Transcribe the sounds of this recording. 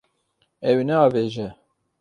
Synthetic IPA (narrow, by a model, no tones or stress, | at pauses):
ɛwinɛɑːveːʒɛ